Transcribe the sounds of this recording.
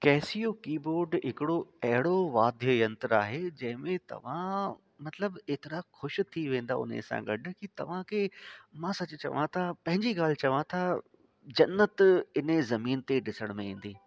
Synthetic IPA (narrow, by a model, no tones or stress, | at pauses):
kɛːsijokiːboːɾɖɦɪkɪɽoɐɦɪɽoʋaːd̪ʱjəjɐ̃nt̪əɾa̰ːɦed͡ʑɐ̃ɦɪ̃mẽt̪ɐ̰ʋ̤ã | mɐt̪ləbeːt̪ɪɾaxʊʃt̪ʰiʋẽːn̆d̪aʊ̰n̤ḛsã̰ɡɐɖʊ̆kit̪ɐ̰ʋ̤ãkʰemãːsɐt͡ɕʊt͡ɕɐ̰ʋãt̪ʰapɐ̃ɦɪ̃ɲd͡ʑiɡaːl̤ɪt͡ɕɐʋãt̪ʰa | d͡ʑɐnːət̪ɪnzɐmiːnt̪eɖɪsəɽ̃mẽĩːn̆d̪iː